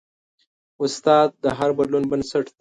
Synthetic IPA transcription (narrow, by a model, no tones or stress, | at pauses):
ʊst̪ɑːd̪̚d̪əɦaɾbɐd̪lunbənsaʈd̪e